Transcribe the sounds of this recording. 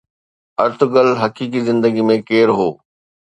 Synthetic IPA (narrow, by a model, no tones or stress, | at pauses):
ɐɾt̪ʊɡəlɦɐkiːk̬izɪ̃nd̪əɡimẽkeːɾɦoː